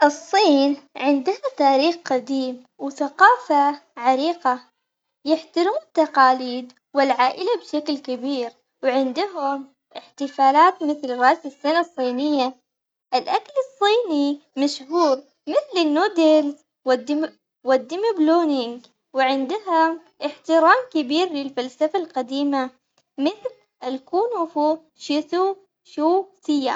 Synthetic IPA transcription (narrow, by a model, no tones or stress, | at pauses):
ʔɨsˤːiːnʕɪnd̪ahat̪aːɾiːxqad̪iːm | wθaqɑːfaʕaɾiːqa | jɪħt̪aɾuːmnɪt̪ːaqɑːliːd̪ | wɪlʕaːʔɪlabʃaklkabiːɾ | wʕɪnd̪ʊɦʊm | ʔɪħt̪ɪfaːlaːt̪mɪθlɪrˤːɑːʔsɪsːanasˤːiːnɪjːa | ʔɪlʔaklɑsˤːiːnimaʃhuːɾ | mɪθlɪnːuːd̪ɪlz | wɪd̪ | wɪd̪ːɪmɪbloːnɪŋɡ | wɪʕɪnd̪ʊɦʊm | ʔɪħt̪ɪɾaːmkɪbiːɾlɪlfalsafalqɑd̪iːma | mɪθl | ʔalkuːnfu | ʃɪt̪u | ʃuːsɪjːa̰